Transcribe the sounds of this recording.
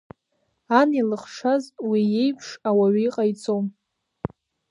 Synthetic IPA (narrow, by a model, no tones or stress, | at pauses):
anilɨχʂazwije̞jpʰʂawaɥiqʼajt͡sʼom